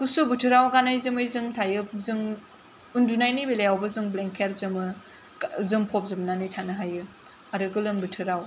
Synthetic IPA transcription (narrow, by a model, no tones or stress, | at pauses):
kusubɯtʰɯɾawɡanajzɯmɯjzɯŋtʰajɯp̚zɯŋ | undunajnibelejawbɯzɯŋbleŋkʰeɾzɯmɯ | zɯmpʰɔp̚zɯmnanijtʰanɯɦajɯ | aɾɯɡɯlɯmbɯtʰɯɾaw